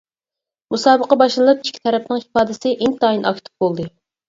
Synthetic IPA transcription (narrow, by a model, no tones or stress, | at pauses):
musɑːbəqɑbɑʃlnlˠɑp̚t͡ʃʰi̥t͡ʃkʲʰi̥t̪ʰɛɾɛpnɨŋhi̥fɑːd̪ɪsɪʔint̪ɑːinʔɑkt̪ʰɪ̥p̚bolˠd̪ɨ